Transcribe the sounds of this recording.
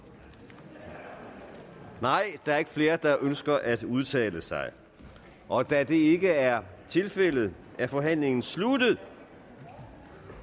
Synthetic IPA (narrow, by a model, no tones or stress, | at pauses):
nɑ̈ɪ̰d̥ɑ̈æɐe̝ɡ̥əfle̝ːɐd̥ɑ̈ʔønsɡ̥ɐʔæd̥uð̞ˠt͡sʰɛ̰ːləsɑ̈ɪ | ʔɒ̽d̥æd̥e̝e̝ɡ̥əæɐt͡sʰe̝lfel̰ð̞̩ˠ | ʔæɐfɒ̽ɦæn̰le̝ŋn̩slud̥ð̩ˠ